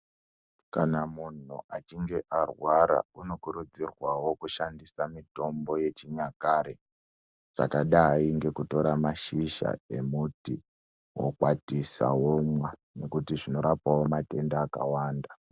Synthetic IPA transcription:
kanamun̤ṵʔat͡ʃiŋɡe̞ʔarwaɾa̰uno̞kuɾud͡zirwawo̞kuʃandisamito̞mbo̞je̞t͡ʃiɲakaːɾe | ʐa̰kaɗaɦaiŋɡe̞kuto̞ɾamaʃiʃa̰e̞muti | wo̰kwatisa̰womwa | ne̞kutiʐino̞ɾapawo̞mate̞ndaːka̰waːnda

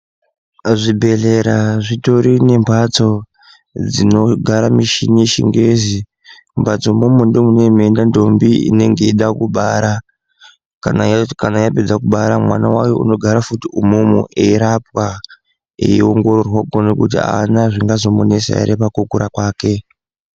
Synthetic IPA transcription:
ʐibʱe̞ɮe̞ɾaʐito̞ɾine̞mbʱat͡so̞ | d͡zino̞ɡʱaɾamiʃineʃḭŋɡe̞zi | mbʱat͡so̞momundomunemendando̞mbiḭne̞ŋɡe̞iɗakuɓaɾa | kanakanaijaped͡zakuɓaɾamwanawajo̰ṵno̞ɡʱaɾafutiumumṵʔeiɾap̚wa | ḛioŋɡo̞rorwaɡonekutia̰ːnaʐiŋɡazo̞monesa̰ḭɾepakokuɾakwaːke̞

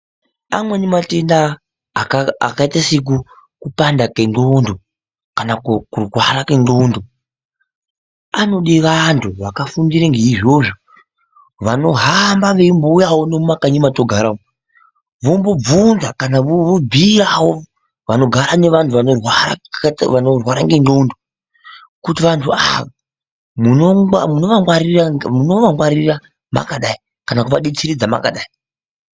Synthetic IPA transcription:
a̰mwenematendaː | a̰kaitasik̬u | kupandakenɡondo | kanakkurwaɾakendondo | ano̞ɗiʋantʰuʋakafundiɾeŋɡeiʐoʐo | ʋano̞ɦambaʋeimboujawoneumakaɲimatoɡʱaɾao | ʋombob͡vunzakanaʋobʱiawo | ʋano̞ɡʱaɾane̞ʋantʰuʋanorwaɾa̰ʋanorwaɾaŋɡendondo | kutiʋantʰua | munowamuno̞ʋaŋwaɾiramunoʋaŋwaɾira | ma̰kaɗai | kanakuʋaɗet͡siɾid͡zama̰ka̰ɗai

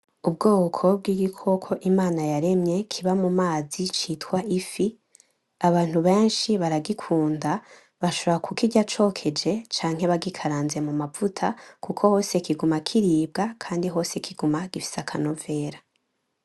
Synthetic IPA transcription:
ubɡoːkʰo̞b̚ɡiːɡikʰo̞kʰo̞ʔimaːnajaɾe̞mɲe̞kʰiβamumaːzit͡ʃiːtwaʔifi | aβaːn̥huβe̞ːnʃiβaɾaɡikʰuːnda | βaʃo̞βoɾakʰukiɟat͡ʃo̞ːkʰe̞d͡ʒe̞t͡ʃaːŋ̥he̞βaɡikʰaɾaːnze̞mumavutʰakukʰo̞ho̞ːse̞kiɡumakʰiɾiːb̚ɡakʰaːndiɦo̞ːse̞kʰiɡumaɡ̥ifi̥sakʰanove̞ːɾa

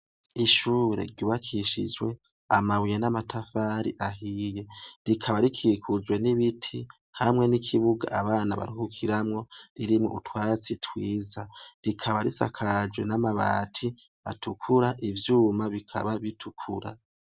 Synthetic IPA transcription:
iʃuːɾe̞̰ɾɟuːβakʰiʃḭd͡ʒwe̞ | amawijenamatʰafaɾḭʔaɦije̞ɾikʰaβaɾikʰiːkʰuzwe̞niβitʰi | hamŋe̞nikʰiβuɡa̰ʔaβaːna̰βa̰ɾihukʰiɾamŋo̞ɾiɾimŋo̰utwaːt͡sitʰwiːzaɾikʰaβaɾisa̰kʰad͡ʒwe̞namaβa̰ːtʰi | a̰tukʰuɾaʔivjuːmaβikʰa̰βaβitʰukʰuɾa̰

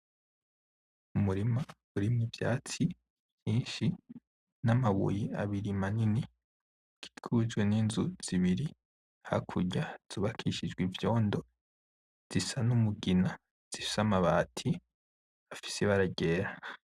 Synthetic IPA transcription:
umuɾimaβuɾimŋivja̰ːt͡si | jiːnʃi | namaβṵjiaβiɾimanini | ɡ̥i̥ɡʰud͡ʒɡweniːnzuz̥iβiɾi | ha̰kʰuɟaz̥uβakʰiʃid͡ʒɡwivjo̞ːndo | z̥isanumuɡina | z̥isamaβaːtʰi | afi̥seβaɾaɟeːɾa

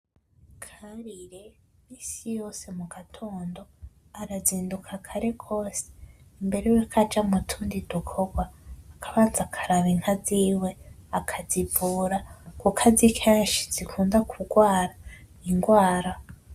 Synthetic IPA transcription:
kʰaɾiɾemiːsijo̞ːse̞muɡatʰo̞ːndo̞ | aɾaziːndukʰakʰaɾe̞ɡʰo̞ːse̥mbe̞ɾejekʰad͡ʒamutʰuːndidukʰo̞ɡwaːkʰaβaːnzakʰaɾaβiŋhaziːwe̞akʰazivuːɾakukʰazikʰeːnʃi̥z̥ikʰuːndakʰuɡwaːɾa | iŋɡwaːɾa

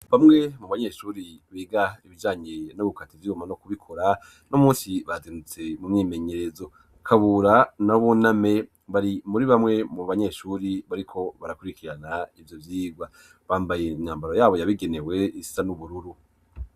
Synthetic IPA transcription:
βamŋe̞muβaɲe̞ʃuːɾiβiːɡaiβid͡ʒaːɲe̞noβukativiumanokuβikʰo̞ɾa | nomũːnsiβazinut͡se̞mumɲiːme̞ɲe̞ɾe̞zo | kʰaβuɾanaβuname̞ | βaɾimuɾiβamŋe̞muβaɲe̞ːʃuɾiβaɾikʰo̞βaɾakuɾikʰiɾanaivjo̞vjiːɡwa | βaːmbajein̥haːmbaɾojaːβo̞jaβiɡe̞ne̞we̞issanuβuɾuɾu

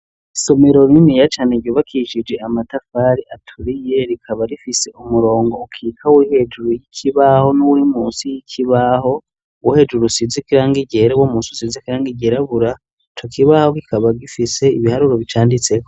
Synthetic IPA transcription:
so̞meɾoɾinijat͡ʃaːneɡɟoβakʰiʃid͡ʒe̞amatafaɾiʔatʰuɾije̞ɾikʰaβaɾifise̞ʔumuɾo̞ːŋɡo̞ukʰikʰawihe̞d͡ʒuɾujikʰiβaho̞nuwuɾimuːsijikʰiβaho̞ | wuhe̞d͡ʒuɾusizikiɾaːŋɡiɟe̞ɾewomuːnsusizikiɾaːŋɡiɟe̞ɾaβuɾa | it͡ʃokʰiβaho̞kikaβaɡifise̞iβihaɾuɾoβit͡ʃaːndit͡se̞ko

